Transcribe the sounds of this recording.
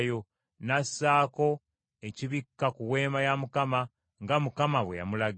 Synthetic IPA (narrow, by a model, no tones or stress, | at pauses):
jo̞ | nasːaːko̞ | e̞ciβikːakuwe̞ːmajamukama | ŋɡamukamaβweja̰mulaɡ